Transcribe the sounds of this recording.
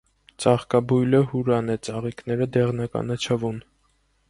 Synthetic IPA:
t͡sɑχkɑbujləhuɾɑnɛt͡sɑʁiknɛɾəd̪ɛʁnɑkɑ̰nɑt͡ʃʰɑvun

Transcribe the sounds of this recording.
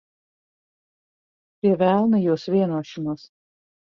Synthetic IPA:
pʲɾʲiɛʋʲæˑlˠnɨjuɔsʋʲiɛnuɔʃʲɪmuːs

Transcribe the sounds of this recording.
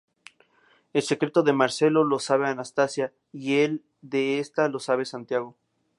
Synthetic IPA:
e̞lsekɾet̪o̞ðe̞maɾse̞lo̞lo̞saβeanast̪asja | ie̞l | d̪eest̪alo̞saβ̞esant̪jaɣ̞o̞

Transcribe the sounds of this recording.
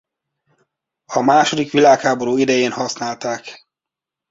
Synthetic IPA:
ɒmaːʃo̞d̪ikʋilaːkhaːbo̞ɾuːid̪ɛjeːnhɒsnaːlt̪aːk

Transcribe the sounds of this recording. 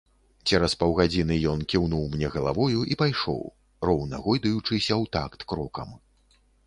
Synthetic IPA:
t͡sʲɛɾɐspɐwɣad͡zʲinɨjɔnkʲiwnuwmnʲɛɣɐlˠa̰vɔjuʔipajʂɔ̰w | rɔwnɐɣɔjd̪ɐjut͡ʂɨsʲɐwt̪akt̪kɾɔkɐ̰m

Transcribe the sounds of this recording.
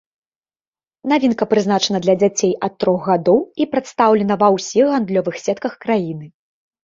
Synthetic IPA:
navʲinkɐpɾɨznat͡ʂɐnɐd̪lʲɐd͡zʲat͡sʲejʔɐt̪ːɾɔxɣad̪ɔwipɾɛt̪st̪awlʲɛnɐvɐwsʲixɣand̪lʲɔvɨxsʲɛt̪kɐxkɾajinɨ

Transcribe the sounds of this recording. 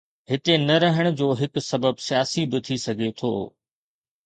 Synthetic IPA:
ɦɪt̪enɐɾɐɦəɽ̃ʊ̆d͡ʑoːɦɪksɐbəbsijaːsibɪt̪ʰisɐɡʱet̪ʰo̰ː

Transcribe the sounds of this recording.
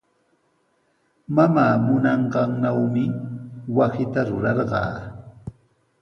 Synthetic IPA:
mamaːmʊnɑɴɢɑŋnawmɪwasɪt̪aɾʊɾɑɾɢɑ̰ː

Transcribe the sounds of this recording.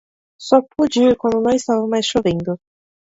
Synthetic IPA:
sɔpʰud͡ʒiɾkwɐ̃nd̪ʊnɐ̃w̃ɪst̪avɐmajsʃovẽnd̪ʊ

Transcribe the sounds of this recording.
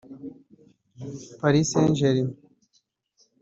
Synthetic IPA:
pɐɾiseːnʑeɾim

